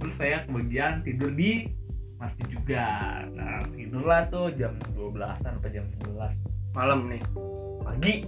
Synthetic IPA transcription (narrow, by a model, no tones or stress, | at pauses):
t̪əɾʊsːajakəbaɡiant̪idərdimart̪id͡ʒuɡa | na̰finərlat̪ʊhd͡ʒamduabəla̰sanapad͡ʒamsəbəlasmaləmnɪh | paɡi